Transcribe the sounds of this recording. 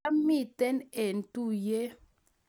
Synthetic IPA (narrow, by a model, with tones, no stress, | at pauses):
a˦mi˦˨tɛ˦ne˨n˨tu˦je˦